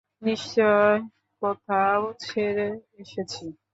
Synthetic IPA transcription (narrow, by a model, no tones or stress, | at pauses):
niʃt͡ɕɔe | kɔt̪ʰaot͡ɕʰeɾeeʃet͡ɕʰi